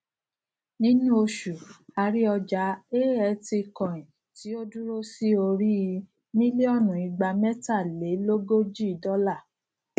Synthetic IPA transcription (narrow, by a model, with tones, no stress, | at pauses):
nĩ˦nũ˦o˧ʃu˨a˧ɾi˦ɔ˧d͡ʒa˨˦e˦ɛ˨˧˦ti˧kɔ̃˨ĩ˨ | ti˨˦o˦du˦ɾo˦si˦o˧ɾi˦i˧ | mĩ˦li˦ɔ˦˨nũ˨i˧ɡ͡ba˧mɛ˦ta˦˨le˨˦lo˦ɡo˦d͡ʒi˦i˨dɔ˦la˦˨